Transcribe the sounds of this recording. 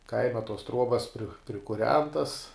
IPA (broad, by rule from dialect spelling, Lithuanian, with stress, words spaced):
ˈkɐɪmɐ toːs ˈtruɔbɐs pʲrʲɪkʊˈrʲɛntɐs